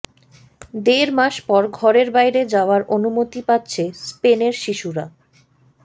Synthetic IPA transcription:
d̪eɾmaʃpɔɾɡʱɔɾeɾbajɾed͡ʑaoaɾʔonumot̪ipatːɕʰespeneɾʃiʃuɾa

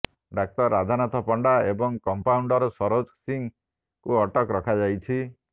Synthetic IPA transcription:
ɖak̚tɔɾad̪ʱanat̪ʰɔpɔɳɖaebɔŋkɔmpauɳɖɔɾɔsɔɾod͡ʒsiŋ | kuɔʈɔkɾɔkʰad͡ʒajt͡ʃʰi

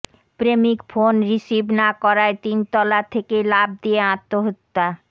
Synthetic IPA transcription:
pɾemikfʰonɾiʃibnakɔɾaet̪int̪ɔlat̪ʰekelab̚d̪ieãt̪ːoɦot̪ːa

